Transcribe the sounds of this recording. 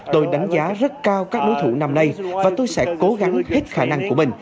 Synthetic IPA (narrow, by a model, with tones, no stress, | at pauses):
t̪o˧jɗa˨˦jŋ̟zaː˨˦zə˦˥t̚kaː˧wkaː˦˥k̚ɗo˨˦jt̪ʰṵ˧˩na˧mna˧jvaː˨˩t̪o˧jsɛ̰˧˥ko˨˦ɣa˨˦ŋhe˦˥t̚xaː˧˩na˧ŋku˧˩əmï˨˩ŋ̟